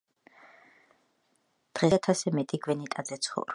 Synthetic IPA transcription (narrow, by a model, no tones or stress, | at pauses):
d̪̥ʁɛat̪ʰasɛmɛt̪ʼiɡwɛnit̪ʼad̪zɛt̪sʰχɔ̰vɾɔ